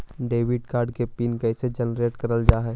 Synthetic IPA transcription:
ɖeːʋɪɖkaːɾɖkepiːnkɛːsed͡ʒɛnɾeːʈkɐɾəld͡ʒaːɦɛː

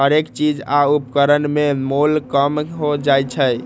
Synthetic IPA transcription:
ɦəɾekt͡ʃid͡ʒaupkəɾənmemolkəmɦod͡ʒajt͡ʃʰəj

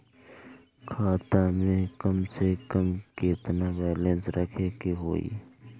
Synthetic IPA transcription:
kʰaːt̪amẽkɐmsekəmket̪nabɛːlẽnsɾəkʰeːkeɦo̰ːḭː

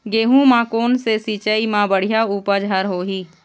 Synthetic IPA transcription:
ɡeːɦũmãːkoːnsesiːt͡ʃəimãbəɽ̤ijauːpəd͡ʒʱəɾɦoːɦiː

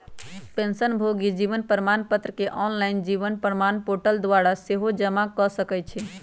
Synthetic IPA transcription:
pẽnsənbʱoɡid͡ʒiʋənpɾəmanpət̪ɾəkeʔɔnlaɪnd͡ʒiʋənpɾəmanpoʈəld̪waɾaseɦod͡ʒəmakɔsəkɛt͡ʃʰɛ

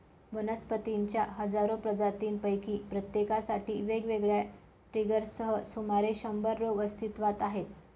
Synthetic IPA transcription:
ʋənəspət̪iɲt͡ɕjaɦəd͡zaɾopɾəd͡zat̪iːnpəjkiːpɾət̪jekasaʈiːʋeɡʋeɡɭja | ʈɾiɡəɾsəɦəsumaɾeɕəmbəɾːoɡəst̪ʰit̪ʋat̪aɦet̪

